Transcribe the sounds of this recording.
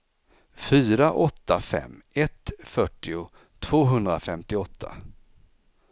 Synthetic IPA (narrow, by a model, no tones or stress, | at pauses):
fyːɾaʔɔt̪ːafɛ̰mːɛt̪fœʈːɪʊ | t̪ʰv̥oːɦɵnd̪ɾafɛmt̪ɪɔt̪ʰːa̰